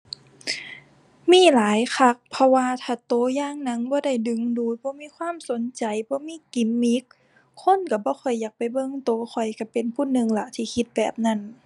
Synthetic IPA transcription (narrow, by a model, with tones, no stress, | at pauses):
miː˧˥˨laː˨˦jxʰa˧k̚pʰɔ˧waː˧t̪ʰaː˧˩t̪oː˧˦jaː˧˨ŋna˧˥ŋbɔː˧˦da˧˩jdɯ˧˨ŋduː˧˦t̪̚bɔː˧˦miː˧˥˨kʰwaː˧˥˨mso˨˦nt͡ɕa˨jbɔː˧˦miː˧˥˨ki˨˩˦mːi˧˦kʰː | o˧˥˨nka˧˩bɔː˧˦xʰɔ˧˩jːaː˨˩k̚pa˨˩jbɤ˧˨ŋt̪oː˧˦xʰɔ˨˩jka˧˩pe˨npʰuː˧˥˨nɯ˧ŋla˧˩t̪ʰiː˧˩kʰi˧˦t̪̚bɛː˨˩p̚na˧˩˨n